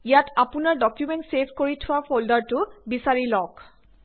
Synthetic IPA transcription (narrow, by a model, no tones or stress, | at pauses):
ijatapʊnaɹdɔkjumɛntsepʰkoɹitʰʊwapʰoldaɹtʊbisaɹilɔk